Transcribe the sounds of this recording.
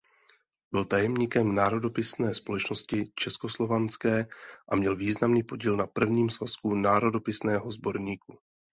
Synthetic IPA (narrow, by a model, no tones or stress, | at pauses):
bɪlt̪ajɛmɲiːkɛmnaːɾo̞do̞pɪsnɛːspo̞lɛt͡ʃno̞scɪt͡ʃɛsko̞slo̞vant͡skɛːʔamɲɛlviːznamniːpo̞ɟiːlnapr̩vɲiːmsvaskunaːɾo̞do̞pɪsnɛːɦo̞zbo̞ɾɲiːku